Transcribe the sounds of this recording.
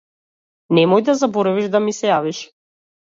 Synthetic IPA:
nɛmɔjd̪azabɔɾaviʒd̪amisɛjaviʃ

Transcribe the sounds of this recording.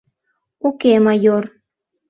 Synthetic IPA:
ukemɑjor

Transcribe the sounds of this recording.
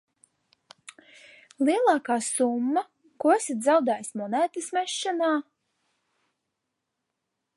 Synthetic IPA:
lˠiɛlˠɑːkaːsumːa | kuɔsʲit̪zawd̪ajsʲmɔnæːt̪ɨsmɛʃːanaː

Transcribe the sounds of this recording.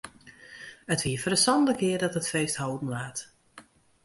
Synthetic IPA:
ətʋiəfərəsɔnləkɪərdɔtətfejsthowdn̩laːt

